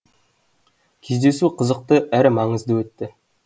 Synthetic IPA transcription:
kʲʰe̞zd̪e̞suqʰəzəq̚t̪əʔæɾɪmɑɴəzd̪əwɵt̪ːɪ

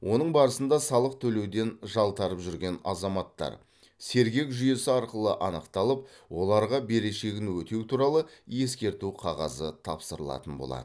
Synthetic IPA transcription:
wʔo̞nəɴbɑɾəsənd̪ɑsɑlˠəq̚t̪ʰɵle̞wd̪e̞nʒɑlˠt̪ɑɾəpʒʏɾɡʲe̞nɑzɑmɑt̪ːɑ̰ɾ | se̞ɾɡʲe̞kʒʏje̞sɪɑɾqəlˠəʔɑnəqt̪ɑlˠəp̚wo̞lˠɑɾʁɑbe̞ɾe̞ʃe̞ɡʲɪnwɵt̪e̞wt̪ʰuɾɑlˠəje̞skʲe̞ɾt̪uqʰɑʁɑzət̪ʰɑ̰psəɾəlˠɑ̰t̪ənbo̞̰lˠɑ̰d̪ə

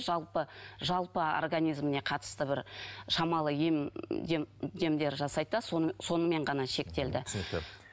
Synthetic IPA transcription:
ʒɑlˠpəʒɑlˠpəo̰rɡanʲijzmɪne̞qʰɑt̪ə̥st̪əbɪɾʃɑmɑlˠəjemd̪d̪e̞md̪e̞ɾʒɑsɑjd̪d̪ɑsso̞nəme̞ɴʁɑnɑʃe̞kt̪e̞ld̪ɪk̪e

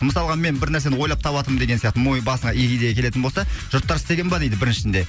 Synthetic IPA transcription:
məsɑlˠəʁɑme̞nbɪɾnæɾs̬e̞nɪwo̞jlˠɑp̚t̪ʰɑβɑt̪əmənd̪e̞ɡʲesijɑqt̪əmojəbɑsəɴɑʔekʲijd̪ejekʰʲe̞le̞t̪ɪnbo̞lsɑʒ̥ʊɾt̪ːɑɾsɪt̪e̞ɡʲenbɑd̪ejd̪ɪbɪɾɪnʃɪʃɪnd̪e̞

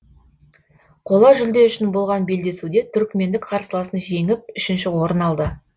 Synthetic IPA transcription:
qʰo̞lˠɑʒʏld̪e̞ʏʃɪnbo̞lˠʁɑnbe̞ld̪e̞sud̪e̞t̪ʰʏɾkʲme̞nd̪ɪkqʰɑɾsəlˠɑsənʒe̞ŋɪp̚ʏʃɪnʃɪwo̞ɾənɑlˠd̪ə

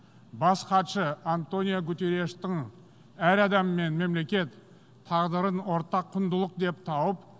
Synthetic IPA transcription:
bɑsqɑt̪ʃəant̪o̞nʲijoɡʊt̪eɾe̞ʃt̪əŋ | æɾɑd̪ɑmːe̞nme̞mle̞kʲe̞t̪ʰː | ɑʁd̪əɾənwo̞ɾt̪ɑqʰːʊnd̪əlˠəq̚d̪e̞p̚t̪ʰɑwəp

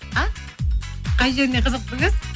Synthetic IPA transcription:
a | qʰɑjʒe̞ɾneqʰəzəq̚t̪ɪŋəz̥

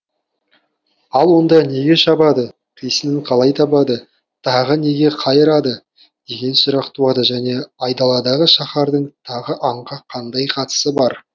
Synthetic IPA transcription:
ɑlˠwo̞nd̪ɑne̞ɡʲe̞ʃɑbɑd̪ə | qʰijsɪnɪɴqʰɑlˠɑjt̪ʰɑbɑd̪ə | t̪ʰɑʁəne̞ɡʲe̞qʰɑjəɾɑd̪ə | d̪e̞ɡʲe̞nsʊɾɑqt̪uɑd̪əʒæne̞ɑjd̪ɑlˠɑd̪ɑʁəʃɑχɑɾd̪əɴt̪ʰɑʁəʔɑɴqɑqʰɑnd̪ɑjqʰɑt̪ə̥səbɑɾ

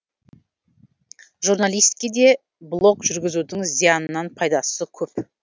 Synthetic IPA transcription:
ʒuɾnalˠijst̪ɪ̥kʲed̪e̞ | blˠo̞kʒʏɾɡʲɪzud̪ɪŋzijɑnənɑnpʰɑjd̪ɑsəkʲʰɵp

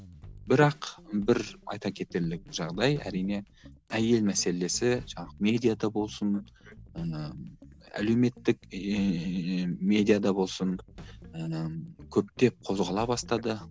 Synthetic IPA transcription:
bɪɾɑqbɪɾɑ̰jt̪ɑkʲʰe̞t̪e̞ɾlɪk̚ʒɑʁd̪ɑjæ̰ɾijne̞ | æje̞lmæse̞le̞sɪʒ̥ɑɴˠme̞d̪ijad̪ɑbo̞lˠsən | æ̰le̞wme̞t̪ːɪk | me̞d̪ijad̪ɑbo̞lˠsəŋ | kʲʰɵp̚t̪e̞p̚qʰo̞zʁɑlˠɑbɑst̪ɑd̪ə

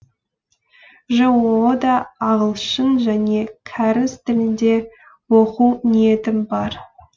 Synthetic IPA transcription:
ʒəwod̪ɑːʁəlˠʃəɴʒæne̞kʲʰæɾɪst̪ɪlɪnd̪e̞ | woquwnije̞t̪ɪmbɑɾ

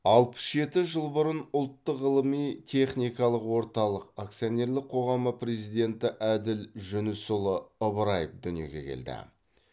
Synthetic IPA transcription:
ɑlˠpə̥sʒe̞t̪ɪʒəlˠbʊɾənʊlˠt̪ːəqːəlˠəmijt̪ʲʰe̞χnijkɑlˠəqwo̞ɾt̪ɑlˠəqak̚t̪sijonʲe̞ɾlɪk̚qʰo̞ʁɑməpɾe̞zijd̪e̞nt̪ɪʔæd̪ɪlʒʏnʏsʊlˠəəbəɾɑjəfd̪ʏnije̞̰ɡʲe̞̰kʲʰe̞̰ld̪ɪ̰

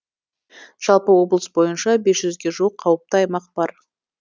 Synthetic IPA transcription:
ʒ̥ɑlˠpəwo̞blˠəsbo̞jənʃɑbe̞sʒʏzɡʲe̞ʒuəqʰːɑwəp̚t̪əɑjmɑq̚bɑɾ

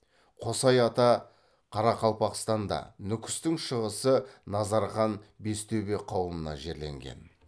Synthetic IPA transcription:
qʰo̞sɑjɑt̪ɑ | qʰɑɾɑqʰɑlˠpɑqst̪ɑnd̪ɑ̰nʏkʲɪ̥st̪ɪŋʃəʁəsənɑzɑɾχɑnbe̞st̪ewbe̞qʰɑwəmənɑ̰ʒe̞ɾle̞̰ŋɡʲe̞̰n

